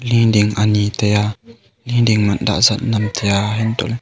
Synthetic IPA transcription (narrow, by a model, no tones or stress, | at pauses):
lidiŋʔanitɛja | lĩːndiŋmanda̰ʔsannamt̪ʰɛjaɦɛnto̰l